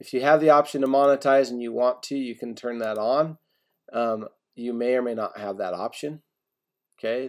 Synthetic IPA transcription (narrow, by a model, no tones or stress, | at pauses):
ɨfjɨːvðiɑpʃɨ̃ntɨmɑnɨtʰaɪz̃n̩jɨwɑ̃ntʰʉjɨkʰɨ̃n̩tʰɜ̃˞nðəɾn̩ | ʌ̃m | jɨmeɪə˞meɪnə̰t̚həvðɨ̰ɾɑ̰pʃɨ̃n | oʊkʰeɪ